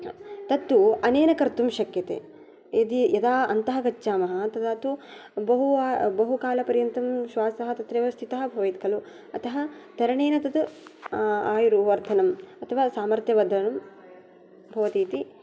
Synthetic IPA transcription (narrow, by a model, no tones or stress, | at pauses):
t̪ɐt̪ːuɐneːnɐkɐɾt̪umʃɐkjɐt̪ḛː | jɐd̪ijɐd̪aːɐ̰nt̪ɐɦɐkɐt͡ʃːʃaːmɐɦɐ̆t̪ɐd̪aːt̪u | bɐɦuaːbɐɦukaːlɐpɐɾjɐnt̪ɐmʃʋaːsɐɦɐt̪ɐt̪ɾeːʋɐst̪ʰit̪ɐɦɐ̆bʱɐʋɐjt̪kɐlu | ɐt̪ʰɐɦɐt̪ɐɾɐɳeːnɐt̪ɐt̪u | aːjuɾuʋɐɾt̪ʰɐnɐmɐt̪ʰɐʋaːsaːmɐɾt̪jɐʋɐd̪ʱɐnɐm | bʱɐʋɐt̪iːt̪i